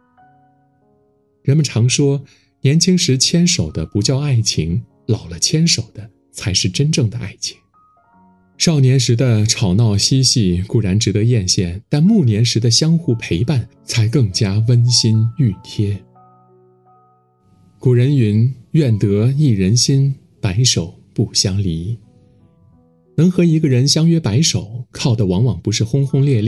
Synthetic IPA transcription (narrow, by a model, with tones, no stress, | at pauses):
ɻə˧˥nmə˧˨nʈ͡ʂʰɑ˧˥ŋʂwɔ˥ | njɛ˧˥nt͡ɕʰi˥ŋʂɻ̩˧˥t͡ɕʰjɛ˥nʂo˨˩ʊd̪ə˦pu˧˥t͡ɕjɑ˥˧ʊa˥˩ɪt͡ɕʰi˧˥ŋ | lɑ˨˩ʊlə˦t͡ɕʰjɛ˥nʂo˨˩ʊd̪ə˦ | t͡sʰa˧˥ɪʂɻ̩˥˩ʈ͡ʂə˥nʈ͡ʂɤ˥˩ŋd̪ə˩ʔa̰˥˩ɪt͡ɕʰi̥˧˩˥ŋ | ʂɑ˥˩ʊnjɛ˧˥nʂɻ̩˧˥d̪ə˧ʈ͡ʂʰɑ˨˩ʊnɑ˥˩ʊɕi˥ɕi˥˩ku˨˩ɻa˧˥nʈ͡ʂɻ̩˧˥t̪ɤ˧˥jɛ˥˧nɕjɛ˥˩nt̪a˥˧nmu˥˩njɛ˧˥nʂɻ̩˧˥d̪ə˧ɕjɑ˥ŋxu˥˩pʰe˧˥ɪpa˥˩n | t͡sʰa˧˥ɪkɤ˥˩ŋt͡ɕja˥wə˥nɕi˥ny˥˩t̪ʰjɛ˥ | ku˨˩ɻə˧˥ny˧˥nɥɛ˥˩nt̪ɤ˧˥i˥˩ɻə˧˥nɕi˥n | pa˧˥ɪʂo˨˩ʊpu˥˩ɕjɑ˥ŋli˧˥ | nɤ˧˥ŋxɤ˧˥i˧˥ɡə˧ɻə˧˥nɕjɑ˥ŋɥɛ˥pa˧˥ɪʂo˨˩˦ʊkʰɑ˥˩ʊd̪ə˩wɑ˧˥ŋwɑ˨˩ŋpu˧˥ʂɻ̩˥˩xʊ˥ŋxʊ˥ŋljɛ˥˧li˥˩